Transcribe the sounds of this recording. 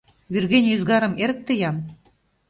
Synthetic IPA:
βyrɣenʲyzɣɑɾə̆meɾə̆k̚t̪əjɑn

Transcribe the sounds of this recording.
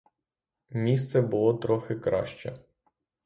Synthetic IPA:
mʲist̪sɛbʊlˠɔt̪ɾɔxɪkɾɑ̰ʃt͡ʃɛ̰

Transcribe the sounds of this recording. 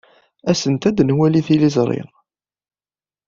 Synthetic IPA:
æsənt̪æd̪nwæliθilizˤɾˤɪ̰ʁ

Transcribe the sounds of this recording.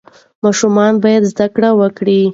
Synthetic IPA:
mɑʃumɑnbɑjad̪zd̪akɽawəkɽi

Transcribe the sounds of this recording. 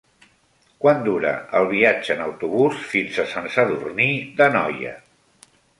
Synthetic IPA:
kwand̪uɾə̰əlˠβiad͡ʒəːnəwt̪uβusfinsəsənsəðurniðənɔjə̰

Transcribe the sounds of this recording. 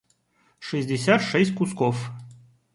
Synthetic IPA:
ʂɨzʲdʲɪsʲat̪ʂɛsʲtʲkuskɔf

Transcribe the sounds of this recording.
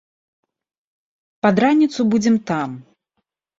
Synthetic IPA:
pad̪ɾanʲit̪subud͡zʲɛmt̪am

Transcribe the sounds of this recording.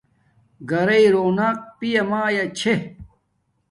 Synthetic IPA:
ɡɐɾɐiɾoːnɐk̚pijɐmaːjɐt͡ɕʰe

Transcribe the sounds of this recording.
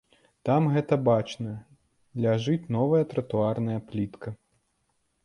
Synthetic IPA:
t̪amɣɛt̪ɐbat͡ʂnɐ | lʲaʐɨt͡sʲnɔvɐjɐt̪ɾɐt̪uarnɐjɐplʲit̪kʰɐ

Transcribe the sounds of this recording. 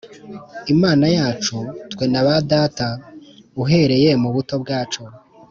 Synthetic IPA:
imaːnajaːt͡ʃutwe̞naβadaːtauɦe̞ɾe̞je̞muβuto̞b̚ɡaːt͡ʃo̞

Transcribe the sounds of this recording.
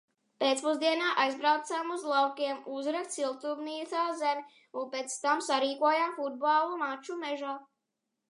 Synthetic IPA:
pɛːt̪spɔzd̪iɛnaːʔajzbɾawt̪samuzlˠawkiɛmuzɾɛkt̪silˠt̪ubniːt̪aːzɛmʲ | unpɛt̪st̪amsaɾiːkuɔjamfud̪̚balˠumat͡ʃumɛʒa

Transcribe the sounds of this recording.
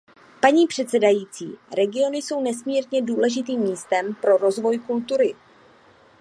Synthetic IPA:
paɲiːpr̥ɛt̪sɛdajiːt͡sḭːɾɛɡɪo̞nɪso̞wnɛsmiːɾɲɛduːlɛʒɪt̪̬iːmːiːst̪ɛmpɾo̞ɾo̞zvo̞jkult̪uɾɪ

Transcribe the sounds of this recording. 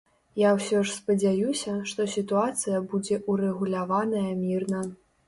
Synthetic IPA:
jawsʲɔʂspɐd͡zʲajusʲɐʂt̪ɔsʲit̪uat̪sɨjɐbud͡zʲɛʔuɾɛɣulʲavanɐjɐmʲirnɐ

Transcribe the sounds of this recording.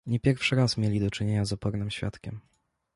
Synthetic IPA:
ɲɛpʲjɛɾfʂɘɾasmʲjelʲid̪ɔt͡ʂɘɲeɲazɔpɔɾnɘmɕfʲja̰t̪kʲɛm

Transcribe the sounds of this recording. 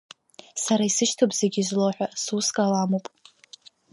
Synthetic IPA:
saɾaisɨʃtʰopʼz̥eɡʲizloħʷᶣasuskʼalamopʼ

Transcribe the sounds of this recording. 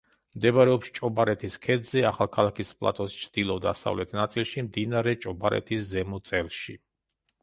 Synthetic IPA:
md̪ɛbaɾɛɔpʃt͡ʃʼɔbaɾɛt̪ʰiskʰɛd̪zɛaχalˠkʰalˠakʰispʼlˠa̰t̪ʼɔst͡ʃʰd̪̥ilˠɔd̪a̰sa̰vlɛt̪ʰnat̪sʼilˠʃimd̪inaɾɛt͡ʃʼɔbaɾɛ̰t̪ʰiszɛmɔt̪sʼɛlˠʃi

